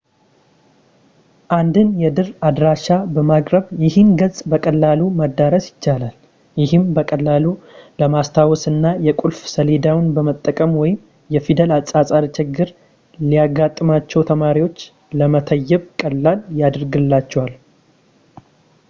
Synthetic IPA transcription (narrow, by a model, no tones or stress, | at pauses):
ʔand̪ɨnjɛd̪ɨrad̪ɾaʃabəmakʼɾəβjɪhɨmɡəsʼbəkʼəlːaluməd̪ːaɾəsjɪt͡ʃːalal | jɪhɨmbəkʼəlːaluləmast̪ʰawɔsɨnːajɛkʼulfsəled̪awnbəmət̪ʼːəkʼəmwɔjɪm | jɛfid̪əlat͡sʼasʼad̪t͡ʃʰɪɡːɨɾ | lijaɡat̪ʼːɨmat͡ʃːɛwt̪ʰəmaɾiwo̞t͡ʃː | ləmət̪ʰəjːɛβkʼəlːaljad̪ɾɡɨlːat͡ʃːɛwal